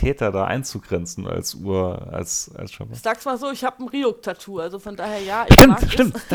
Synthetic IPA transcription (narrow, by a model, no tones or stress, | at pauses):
tʰɛːtɐda̰ːʔa̰ɪnt͡suɡʁɛnt͡sn̩a̰lsʔṵːɐa̰lsa̰lsʃɔ̰mz̥aːk̚smaːlzoːɪçhaːpn̩ʁiːok̚tʰatʰuːalzofɔndaːheːɐjaːɪʃtɪmʃtɪmmt